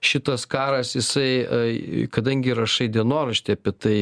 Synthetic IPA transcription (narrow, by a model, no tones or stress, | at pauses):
ʃʲɪt̪ɐskɑːɾɐsjɪsɐɪ | kɐd̪ɐŋʲɡʲɪrɐʃɐɪd̪ʲɛnoːɾɐʃʲt̪ʲɪɐpʲɪt̪ɐɪ